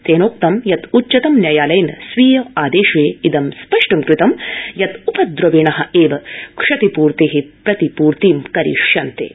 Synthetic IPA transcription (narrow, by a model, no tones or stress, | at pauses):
t̪eːnoːk̚t̪ɐmjɐt̪utːt͡ʃɐt̪ɐmnjɐjaːlɐjnɐsʋiːjɐaːd̪eːʃʋeːid̪ɐmspɐʂʈɐmkɾɪt̪ɐmjɐt̪upɐd̪ɾɐʋiɳɐɦɐ̆eːʋɐkʂɐt̪ipuːɾt̪eːɦepɾɐt̪ipuːɾt̪iːmkɐɾḭʂjɐnt̪ḛː